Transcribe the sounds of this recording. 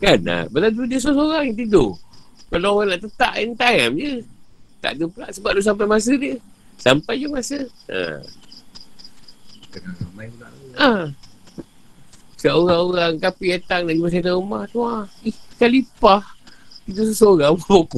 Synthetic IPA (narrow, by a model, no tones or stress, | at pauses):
kana̰bəladudiəs̬oas̬oɾaŋat̪idokalaoɣaŋnaʔt̪ət̪aʔint̪ajamd͡ʒət̪a̰ʔdəpəlaʔsəbap̚doʔs̬ampajmas̬ədiə | sampajd͡ʒəmasəə̰ | t̪akasamajəlaʔa | səʔoɾaŋoɾaŋkapiat̪aŋnaʔd͡ʒumas̬at̪aumaht̪uaikalipaht̪idos̬osoɾaŋabok